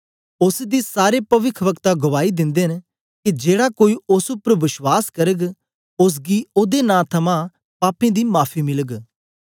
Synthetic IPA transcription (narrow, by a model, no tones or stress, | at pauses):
ʊsd̪iːsaːɾepɐʋɪkʰʋəkt̪aɡʊʋaːid̪ɪ̃nd̪eːn | kid͡ʒeːɽaːkoːiʊsʊpːəɾʋɪʃwaːskəɾəɡ | ʊs̬ɡiːoːd̪enãːt̪ʰɐmã | paːpẽːd̪iːmaːpʰiːmɪləɡ